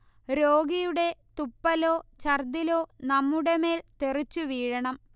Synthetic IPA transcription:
ɾoːɡijuɽe̞t̪upːɐlo̞ːt͡ɕɐrd̪ilo̞ːnɐmːuɽe̞me̞ːlt̪erit͡ɕːuʋiːɻɐɳɐm

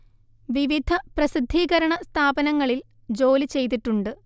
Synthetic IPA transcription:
ʋiʋid̪ʱɐprɐsid̪ʱːiːɣɐɾɐɳɐst̪ʰaːbɐnɐŋːɐɭil | d͡ʑo̞ːlɨt͡ɕe̞jt̪̬ːiʈːuɳɖɨ

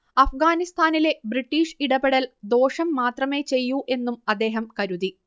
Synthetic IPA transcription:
ɐfɡaːnist̪ʰaːnile̞briʈːiːʂiɽɐbeɽɐld̪o̞ːʂɐmːaːt̪rɐme̞ːt͡ɕe̞jːuʔe̞nːumɐd̪ːe̞ːɦɐmkɐɾuði

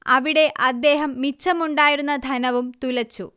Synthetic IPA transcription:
ɐʋiɽe̞ʔɐd̪ːe̞ːɦɐmːit͡ɕːɐmuɳɖaːjiɾunːɐd̪ʱɐnɐʋumt̪ulɐt͡ɕːṵ

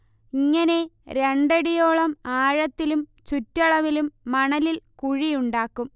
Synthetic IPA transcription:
iŋːɐne̞ɾe̞ɳɖɐɽijo̞ːɭɐmaːɻɐt̪ːilumt͡ɕutːɐɭɐʋilumːɐɳɐlilkuɻijuɳɖaːkːum

